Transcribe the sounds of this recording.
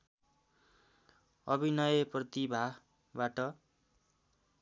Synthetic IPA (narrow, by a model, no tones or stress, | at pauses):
ʌbʱinʌjeprʌt̪ibʱa | baʈʌ